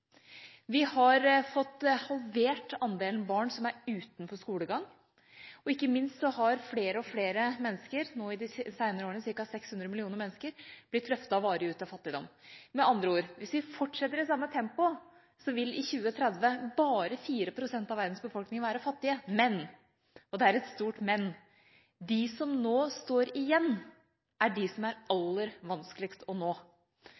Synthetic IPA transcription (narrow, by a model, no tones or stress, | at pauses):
ʋɪhɑɾfɔt̪ːhɑlʋeːʈɑnd̪eːlnbɑːɳsɔmæɾʉːt̪n̩fɔskuːləɡɑŋː | ɔɪkːəmɪnst̪sɔhɑɾfleːɾəɔfleːɾəmɛnːəskəɾnoːɪd̪ɪsæɪnəɾəoːɳəsɪɾkɑsɛkshʉnd̪ɾəmɪlɪuːnəɾmɛnːəskəɾblɪt̪ʰːɾœft̪ɑɔʋɑːɾəʉːt̪ɑfɑt̪ːɪd̪ɔ̰mmɛʔɑnd̪ɾəuːɾʋɪsʋɪfɔʈːʂɛt̪ːəɾɪsɑmːət̪ʰɛmpʊ | sɔʋɪlɪçʉːət̪ʰɾɛd̪ʋəbɑːɾəfiːɾəpʰɾʊsɛnt̪ɑʋæɾd̪n̩sbəfɔlknɪŋʋæːɾəfɑt̪ːɪəmɛn | ɔd̪ɛæɾɛt̪st̪uːʈmɛnː | d̪ɪsɔmnoːst̪oːɾɪjɛnː | ʔæɖɪsɔmæɾɑlːəɾʋɑnskəlɪkst̪ɔnoː